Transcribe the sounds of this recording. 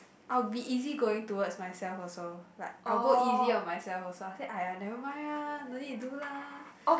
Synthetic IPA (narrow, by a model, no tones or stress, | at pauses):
ʔajbiʔiziɡoɪ̃ŋtuwətsmajsɛlfɔsolaɪkalɡoiziɔ̃nmajsɛlfɔsoaseajãnɛvəmaɹanotĩdulao